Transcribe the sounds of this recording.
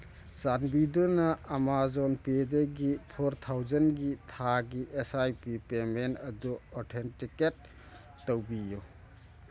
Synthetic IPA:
sanbidunɐːmazɔnpedɐɡipʰoɾtʰawzɐnɡitʰaɡiʔesajpipemenɐduɔɾtʰentiket̚ː | ɐwbiju

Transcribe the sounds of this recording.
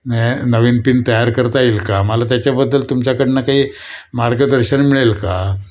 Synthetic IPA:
nnəʋinpint̪əjaɾkəɾt̪ailkaməlat̪jat͡ɕjabəd̪ːəlt̪umt͡ɕakəɽinakaɦiː | maɾɡəd̪əɾɕənmiɭelka

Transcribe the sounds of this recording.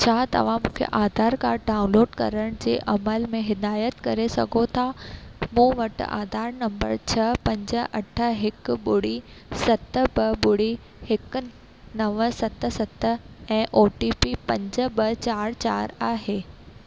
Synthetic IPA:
t͡ɕʰaːt̪ɐ̰ʋ̤ãmũːkʰḛʔaːd̪ʱaːɾkaːɾɖaːʊ̃nloːɖkɐ̰ɾəɽ̃d͡ʑḛːʔɐməlmẽɦɪd̪aːjət̪kɐɾesɐ̰ɡʱot̪ʰamũːʋɐʈa̰ːd̪ʱaːɾnɐ̃mbə̰ɾt͡ɕʰɐpɐ̃ɲd͡ʑə̆ɐʈʰə̆ɦɪkɓʊɽ̤isɐt̪bɐɓʊɽ̤i | hɪk | nɐʋsɐt̪̆sɐt̪əɛ̃ːʔoːʈipipɐ̃ɲd͡ʑəbɐt͡ɕaːɾt͡ɕaːɾaːɦeː

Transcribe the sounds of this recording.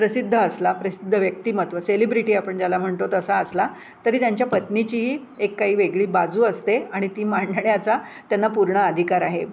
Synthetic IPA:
pɾəsid̪ʱːəːslapɾəsid̪ʱːəʋjək̚t̪iːmət̪ʋəselibɾiʈiːapəɳd͡ʑjalam̤əɳt̪ot̪əsaəsla | t̪əɾiːt̪jaɲt͡ɕjapət̪nit͡ɕiːɦiː | ekːaɦiːʋeɡɭiːbad͡zuːəst̪eaɽ̃it̪iːmaɳɖʱəɳjat͡sa | t̪janːapuɾɳəəd̪ʱikaɾaɦe

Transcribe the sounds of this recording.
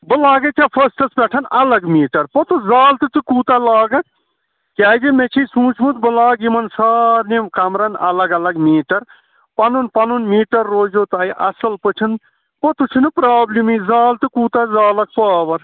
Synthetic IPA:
bəlaːɡɐt͡ʃʰapʰɐsʈɐsbʲɛʈʰɐnʔɐlɐɡmiːʈɐɾpɔt̪uzaːlt̪ɨt̪ɨkuːt̪alaːɡɐ | kʲaːjd͡ʒimet͡ʃʰisũːt͡ʃʰmũt̪bəlaːɡimɐnsaːɾnimkɐmɾɐnɐ̰lɐɡɐlɐɡmiːʈɐɾ | pɐnunpɐnunmiːʈɐɾːoːd͡ʒot̪aːjʔɐ̰sɐlpət͡ʃʰin | pɔt̪ut͡ʃʰinɨpɾaːblimizaːlt̪ɨkuːt̪azaːlɐk̚paːʋɐɾ

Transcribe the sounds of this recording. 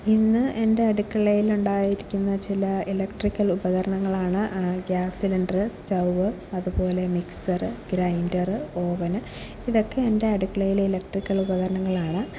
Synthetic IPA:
inːɨʔe̞nde̞ɐɽukːɐɭɐjiluɳɖaːjiɾikʲːunːɐt͡ɕilɐilɐkʈrikʲːɐlubɐɣɐɾɐɳɐŋːɐɭaːɳɨɡaːsiluɳɖrɨstɐwʋɨ | ɐðubo̞ːle̞miksɐrɨɡɾɐjndɐrɨo̞ːʋɐn | iðo̞kːe̞ːnde̞ɐɽukːɐɭɐjililɐk̚ʈrikʲːɐɭubɐɣɐɾɐɳɐŋːɐɭaːɳɨ

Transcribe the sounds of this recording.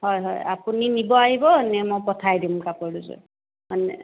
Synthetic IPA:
hɔjɦɔ̰ja̰puninibɔaɦibɔnɛmɔjpɔtʰajdimkapɔduzɔ̰ | manɛ̰

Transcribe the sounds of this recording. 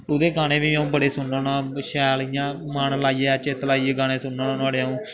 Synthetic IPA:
ʊd̪eːɡaːneːʋiːaũːbəɽeːsʊnoːnãːʃɛːlijãːmanlaːiːɛːt͡ʃeːt̪laːiːeːɡaːnẽːsʊnːoːnaːnaːɽeːaũː

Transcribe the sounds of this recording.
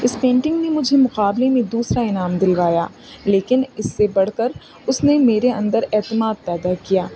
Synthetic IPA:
ɪspẽːɳʈɪ̃ŋɡnemʊd͡ʒʱemʊqaːblemẽd̪uːsɾaɪnaːmd̪ɪlʋaːja̰ː | leːkɪnɪsːebɐɽ̤kəɾ | ʊsnemeːɾeɐ̰̃nd̪əɾɛːt̪ɪmaːd̪̚pɛːd̪akijaː

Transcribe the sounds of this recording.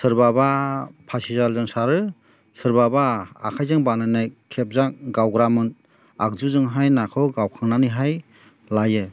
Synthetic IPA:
sɯɾbabapʰasizalzɯŋsaɾɯ | sɯɾbaba̰ːkʰajzɯŋbanajnajkʰep̚zaŋɡawɡɾamɯn | ak̚zuzɯŋɦajnakʰɯwɡawkʰaŋnanɯɦaj | lajɯ

